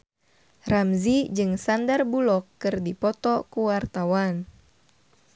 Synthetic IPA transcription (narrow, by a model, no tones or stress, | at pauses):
ramzid͡ʒɨŋsandarbulɔkːɨrdipɔt̪ɔkuwart̪awan